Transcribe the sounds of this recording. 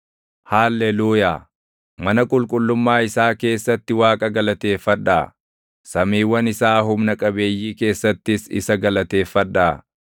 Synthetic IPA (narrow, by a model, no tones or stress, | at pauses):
haːlːeluːjaː | mɐnɐkʼʊlkʼʊlːʊmːaːɪsaːke̞ːsːɐt̪ːɪwaːkʼɐɡɐlɐt̪e̞ːfːɐᶑaː | sɐmiːwːɐnɪsaːɦʊmnɐkʼɐbe̞ːjːiːke̞ːsːɐt̪ːɪsɪ̰sɐɡɐlɐt̪e̞ːfːɐᶑːaː